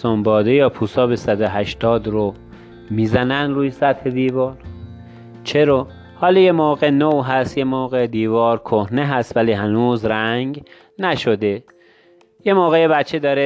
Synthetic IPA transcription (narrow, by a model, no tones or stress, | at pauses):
ombɒːd̪ejɒːpʰuːsɒːbesæd̪oɦæʃt̪ɒːd̪ɾo | miːzænænd̪ɾuːjesæt̪he̞d̪iːvɒːɾ | t͡ʃʰe̞ɾɒː | hɒːlɔjemoːɣenoɦæst̪jemoːɣed̪iːvɒːɾkʰohneɦæst̪væliːɦænuːzɾæŋɡ | næʃod̪e | jemoːɣejebæt̪t͡ʃʰed̪ɒːɾe